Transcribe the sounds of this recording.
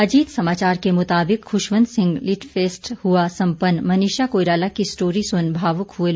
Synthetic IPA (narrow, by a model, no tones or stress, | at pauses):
ɐd͡ʒiːt̪sɐmaːt͡ʃaːɾkemʊt̪aːbɪkxʊʃʋə̃nd̪sɪ̃ŋɡlɪʈfʰeːsʈhuasɐ̃mpənːmɐniːʃakoːɪɾaːlakisʈoːɾisʊnbʱaːʋʊkɦuel